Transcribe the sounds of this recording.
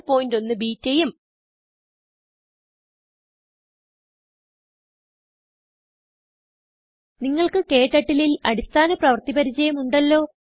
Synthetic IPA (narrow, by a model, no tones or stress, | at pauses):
po̞ːjindo̞nːɨbiːtːejum | niŋːɐɭkɨke̞ːʈːɐʈːililɐ̰ɽist̪aːnɐprɐʋɐrt̪ipɐɾit͡ɕɐjɐmuɳɖɐlːo̞ː